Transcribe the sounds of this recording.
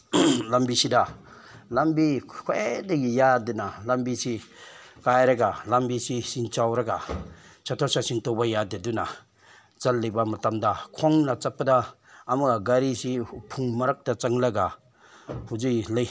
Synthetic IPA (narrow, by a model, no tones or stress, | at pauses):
lambisida | lambikʰoedɐɡijadinalambisi | kajɾɐɡalambisisint͡ʃawɾɐɡa | t͡ʃʰatʰɔsasiŋtɔbajadaduna | zalːijbamatamdakʰɔŋnat͡sapːadaː | muɡaɡaɾisipʰuŋmɐɾak̚d̥at͡saŋlɐɡa | huzijlaj